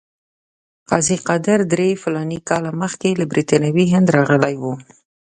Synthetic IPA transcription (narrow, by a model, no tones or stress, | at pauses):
qɑziqad̪əɾd̪ɾefʊlɑnikɑlaməxkelabɾit̪ɑnawiɦɪnd̪ɾɑɣəlajwu